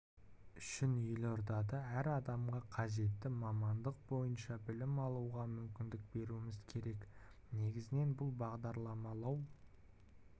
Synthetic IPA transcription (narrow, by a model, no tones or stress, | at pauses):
ʏʃɪnʏjɪloɾd̪ɑd̪əæɾɑd̪ɑmʁɑqʰɑʒe̞t̪ːɪmɑmɑnd̪əq̚bo̞jənʃɑbɪlɪmɑlˠuʁɑmʏmkʲɪnd̪ɪk̚be̞ɾuɪmɪzkʲʰe̞ɾe̞k | ne̞ɡʲɪzɪne̞nbʊlˠbɑʁd̪ɑɾlˠɑmɑlˠɑw